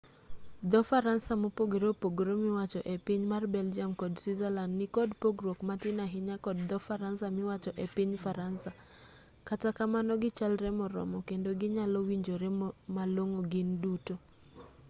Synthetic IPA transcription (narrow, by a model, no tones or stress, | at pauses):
d̪ɔfaɾansamopoɡeɾopoɡɾomɪwat͡ʃɔʔɛpiɲmarbɛld͡ʒiamkɔdswizɛlandnɪkɔdpoɡɾokmatɪnaɦɪɲakɔd̚d̪ɔfaɾansamɪwat͡ʃɔʔepiɲfaɾansa | katakamanɔɡɪt͡ʃalɾɛmɔɾɔ̰mɔkendoɡɪɲalɔwiɲd͡ʒoɾɛmaloŋoɡɪnduto